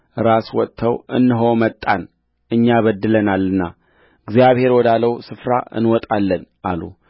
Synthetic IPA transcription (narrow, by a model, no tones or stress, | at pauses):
ʔɨɾaswɔt̪ʰːəwʔɨ̰nːɨɦomət̪ʼːan | ʔɨɲːaβəd̪ːɨlənalɨnːa | ɨɡzijaβhe̞ɾwɔd̪aləwsɨfɾaʔɨ̰nwɔt̪ʼalːənʔa̰lu